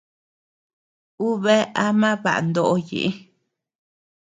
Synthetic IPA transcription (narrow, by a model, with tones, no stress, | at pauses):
u˦βe˦a˦mã˦βa̰˨ʔa̰˨nd̪o˦ʔo˧jḭ˨ʔi˦